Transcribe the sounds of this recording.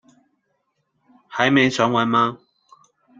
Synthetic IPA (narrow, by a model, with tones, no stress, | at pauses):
hɐ˨˥jme˨˧jsœː˨˥ŋwɐ˨˥jmaː˦˥